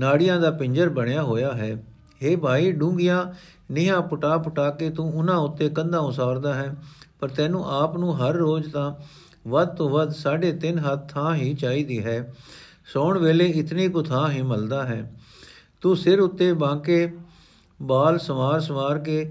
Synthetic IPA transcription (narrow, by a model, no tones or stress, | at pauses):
naːɽɪjãːd̪aːpɪɲd͡ʒəɾbəɳejaːɦoːjaːɦɛː | ɦeːbʱaːiːɖũːŋɡɪjãː | nɪjãːpʊʈaːpʊʈaːkeːt̪ũːʊnãːʊt̪ːeːkənd̪ãːʊsaːɾd̪aːɦɛːpəɾt̪ɛːnũːʔaːpnũːɦəɾːoːd͡ʒt̪ãː | ʋəd̪̚t̪õːʋəd̪saːɖeːt̪ɪnɦət̪ʰːãːɦiːt͡ʃaːiːd̪iːɦɛː | sɔːɳʋeːleːɪt̪niːkʊt̪ʰãːɦiːməld̪aːɦɛː | t̪uːsɪɾʊt̪ːeːbãːkeː | baːlsəʋaːɾsəʋaːɾkeː